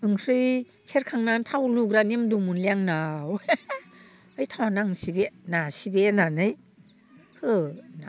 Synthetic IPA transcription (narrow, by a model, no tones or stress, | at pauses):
ɯŋsɯj | sʰeɾkʰaŋnantʰawluɡɾanimdumunliaŋnaw | ɯjtʰawanaŋsibenasibenanɯj | hɯna